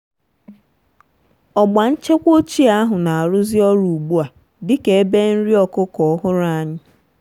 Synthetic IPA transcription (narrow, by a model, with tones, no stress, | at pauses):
ɔ˨ɡ͡ba˨n̩˦t͡ʃe˦kʷo˦t͡ʃi˦a˦ɦʊ˨na˨a˨ɾʊ˦zɪ˦ɔ˦ɾu˨u˨ɡ͡bu˦a˨ | dɪ˦ke˨e˦be˦n̩˦ɾi˦ɔ˦kʊ˦kɔ˨˦ɦʊ˦ɾa˨a˨ɲɪ˦